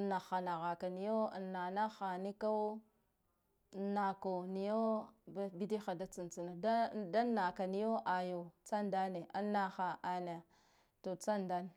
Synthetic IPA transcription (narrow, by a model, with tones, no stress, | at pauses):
na˨xa˨na˨ɣa˨ka˨ni˦jo˦˨nːa˨na˦xa˨ni˦ka˦ | na˨ko˨ni˨jo˦bbi˦di˦xa˨da˦t͡si˨nt͡si˨na˨da˦da˦nːa˨ka˨ni˦jo˦ʔa˨jo˨t͡sa˦nda˦ne˨ʔa˦nːa˦xa˨ʔa˨na˨ | to˨t͡sa˦nda˦n˨